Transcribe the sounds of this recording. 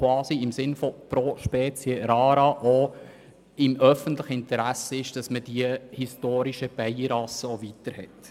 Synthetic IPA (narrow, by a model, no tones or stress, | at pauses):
vɑːsiɪmsɪnfɔpɾoʃpɛːt͡sjəɾɑːɾɑʔo | ɪmœfəntləχəɪntəɾæsəɪʃd̥ɑsməd̥iəhistoːɾiʃəb̥ɛjəɾɑsəovitəɾhɛ̰t